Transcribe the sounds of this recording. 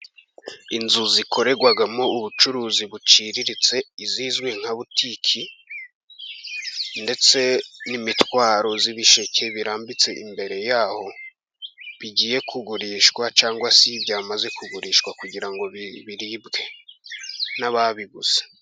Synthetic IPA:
inzuziko̞ɾe̞ɡwaɡamo̞uβut͡ʃuɾuːziβut͡ʃiɾiɾit͡se̞iziːzɡwe̞ŋ̥haβutʰikʰi | nde̞t͡se̞nimitwaːɾo̞ziβiʃecʰe̞βiɾaːmbit͡se̞ʔḭmbe̞ɾe̞jaːho̞ | βiɟiːje̞kʰuɡuɾiːʃkwat͡ʃaːŋɡwasibjaːmaze̞kuɡuɾiːʃkwakuɟiɾaŋɡo̞ββiɾiːbɡe̞ | naβaβiɡuz̥e̥

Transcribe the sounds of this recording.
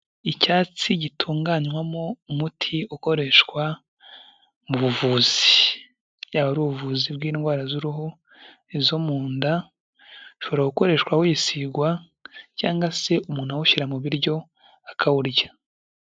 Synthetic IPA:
icaːt͡siɟitʰuːŋɡaːɲwamoumutʰiuko̞ɾe̞ʃkwa | muβuvuːz̥i | jaβaɾuβuvuːzibɡiːnɡwaːɾazuɾuɦo | izo̞muːnda | ʃoβoɾaɡuko̞ɾe̞ʃkwawojisiɡwa | caːŋɡase̞ʔumuːn̥hawuʃiɾamuβiɾɟo̞ | akʰawuɾja

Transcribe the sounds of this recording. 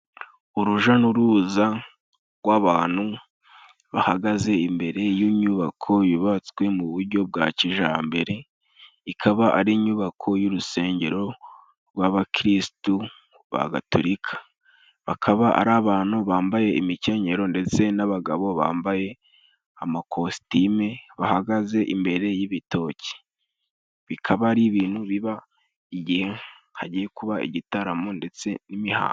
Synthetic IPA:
uɾuʒanuɾuza | ɡwaβaːn̥hu | βahaɡaze̞imbe̞ɾe̞jiɲuβakʰo̞juβat͡swe̞muβuɾɟo̞b̚ɡaciʒa̰ːmbe̞ɾe̞ | ikʰaβaʔaɾiːɲuβakʰo̞juɾuse̞ːɲɟe̞ɾo̞ | ɾɡwaβakɾistu | βa̰ɡa̰tuɾikʰḁ | βa̰kʰaβaʔa̰ɾaːβaːnuβaːmbaje̞imice̞ɲe̞ɾo̞nde̞t͡se̞naβaɡaβo̞βa̰ːmbaje̞ | amakʰo̞si̥timeβahaɡaze̞ʔimbe̞ɾe̞jiβito̞ci̥ | βikʰaβaɾiβiːn̥huβiβa | iɟihe | ha̰ɟijekuβaḭɟitaɾamonde̞t͡se̞nimiha̰ː

